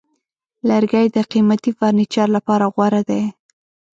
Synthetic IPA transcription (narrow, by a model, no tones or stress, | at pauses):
laɾɡajd̪əqimat̪ifɑɾnit͡ʃɑɾlapɑɾaɣwaɾad̪aj